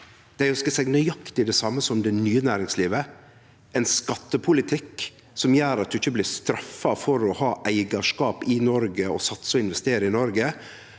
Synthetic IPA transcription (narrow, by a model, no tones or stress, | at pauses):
d̪̥æɪʊskəsɛɡnœjɑkt̪ɪd̪ɛsɑmːəsɔmd̪ɛnyːənæːɾɪŋsliːʋə | ɛɪnskɑt̪ːəpʰʊlɪt̪ʰɪk | sɔmjæːɾɑt̪̚d̪ʉɪçːəblɪːɾst̪ɾɑfːɑfɔɾɔhɑːʔæɪɡɑʂkɑːpɪnɔɾɡəɔ̰sɑt̪sɔɪnʋɛst̪eːɾəɪnɔɾɡə